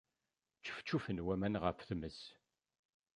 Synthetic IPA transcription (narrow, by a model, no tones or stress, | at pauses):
t͡ʃːə̥ft͡ʃːufənwæmænʁə̰fθməs